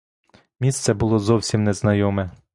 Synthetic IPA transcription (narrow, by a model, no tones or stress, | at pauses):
mʲist̪sɛbʊlˠɔzɔwsʲimnɛznɐjɔmɛ